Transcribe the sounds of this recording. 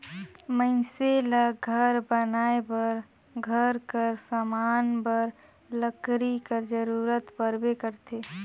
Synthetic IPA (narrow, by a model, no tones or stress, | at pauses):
məɪselaɡʱəɾbənaːebəɾ | ɡʱəɾkəɾsamaːnbəɾ | ləkɾikəɾd͡ʒəɾuːɾət̪pəɾbekəɾt̪ʰe